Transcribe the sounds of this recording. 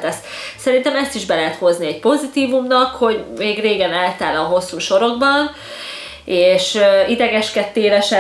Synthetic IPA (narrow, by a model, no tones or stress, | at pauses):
t̪ɛssɛɾint̪ɛmɛst̪iʒbɛlɛɦɛt̪ho̞zniɛc̚po̞zit̪iːvumnɒkho̞ɟmeːɡreːɡɛnɛlt̪aːlɒɦo̞sːuːʃo̞ɾo̞ɡ̚bɒn | eːʃøid̪ɛɡɛʃkɛt̪ːeːlɛʃɛ